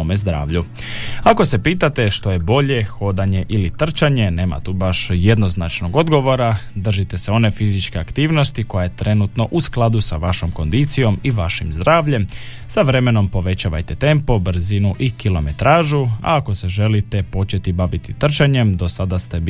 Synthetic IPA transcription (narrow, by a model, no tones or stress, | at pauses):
omezd̪ɾa̰ːʋʎu | ako̞se̞piːt̪at̪e̞ʃt̪o̞je̞bo̞ʎe̞xo̞d̪aɲe̞ʔilit̪r̩t͡ʃaɲe̞ne̞ːma̰t̪uːbaʃje̞d̪no̞znat͡ʃno̞ɡo̞d̪ɡo̞ʋo̞ɾad̪r̩ʒit̪e̞seo̞ne̞fizit͡ʃke̞akt̪iːʋno̞st̪iko̞jajet̪ɾe̞nut̪no̞ʔusklˠad̪usaʋaʃo̞mko̞nd̪it̪sijo̞miʋaʃimzd̪ɾaːʋʎe̞m | saʋɾe̞me̞no̞mpo̞ʋe̞t͡ɕaʋa̰jt̪et̪e̞mpo̞br̩zinuʔikilo̞me̞t̪ɾaːʒua̰ːko̞se̞ʒe̞lit̪e̞po̞t͡ʃe̞t̪ibaʋit̪it̪r̩t͡ʃaɲemd̪o̞sad̪ast̪e̞b